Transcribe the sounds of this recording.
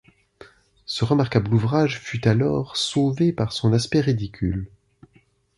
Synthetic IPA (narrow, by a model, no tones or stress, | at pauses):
səʁəmaʁkabluvʁaʒfyt̪alɔʁsovepaʁsɔ̃naspɛʁid̪ikʲʰyl